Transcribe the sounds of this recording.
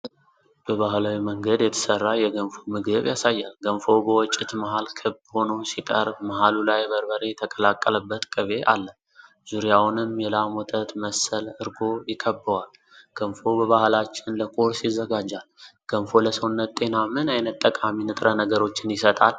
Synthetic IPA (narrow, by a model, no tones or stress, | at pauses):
b̥əβaɦlawiməŋɡəd̪jɛt̪ʰə̥sərːajɛɡənfomɨɡəβjasajːalɡənfo̞bəwɔt͡ʃʼːɪt̪maɦalkʰɨbho̞nowsit̪ʼəɾmaɦalulajbəɾbəɾe̞t̪ʰəkʼəlakʼːələbːət̪kʼəβe̞ʔa̰lːə | z̥uɾijawnɨmjɛlamɔt̪ʼət̪məsəlɨɾɡo̞jɪkʰəbːəwal | ɡ̥ənfo̞bəβahlat͡ʃːɪnləkʼoɾsizːəɡad͡ʒːalɡ̥ənfo̞ləsəwnːət̪t̪ʼe̞namɨnajnət̪ʼːəkʼaminɨt̪ʼɾənəɡəɾo̞t͡ʃːɪnjɪsət̪ʼa̰l